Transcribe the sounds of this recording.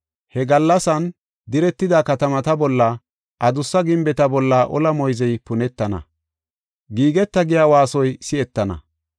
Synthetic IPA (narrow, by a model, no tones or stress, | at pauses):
hɛɡɐlːɐsɐn | d̪ɪɾɛt̪ːɪd̪akɐt̪ɐmɐt̪ɐbɔlːɐ | ʔɐd̪ʊsːɐɡɪmbɛt̪ɐbɔlːɐʔɔlɐmɔjzɛjpʊnɛt̪ːɐnɐ̰ | ɡiːɡɛt̪ːɐɡɪjaːwaːsɔjsɪɛt̪ːɐnɐ̰